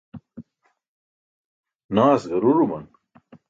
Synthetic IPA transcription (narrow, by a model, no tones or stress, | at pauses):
naːsɡɐɾuɾumɐn